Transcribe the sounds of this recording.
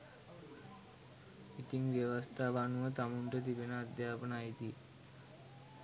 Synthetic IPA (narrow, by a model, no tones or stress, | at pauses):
it̪iŋʋjeʋəst̪ʰaʋanuʋət̪amuɳʈət̪̬ibenəad̪jaːpənait̪i